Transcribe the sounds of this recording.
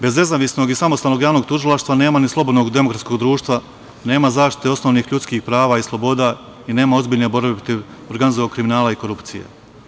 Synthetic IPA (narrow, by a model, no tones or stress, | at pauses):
be̞zne̞zaːʋisno̞ɡisamost̪aːlno̞ɡjaːʋno̞ɡ̚t̪uʒilˠaʃt̪ʋane̞ːmanislˠo̞bod̪no̞ɡd̪e̞mo̞kɾat̪sko̞ɡd̪ɾuːʃt̪ʋa | ne̞ːmazaːʃt̪i̥t̪e̞o̞sno̞ʋniːxʎut̪skiːxpɾaːʋaːislˠobo̞d̪a | ine̞ːmao̞zbiːʎne̞bo̞ɾbepɾot̪iʋoɾɡanizooɡkɾiminaːlˠaiko̞ɾupt̪sijḛ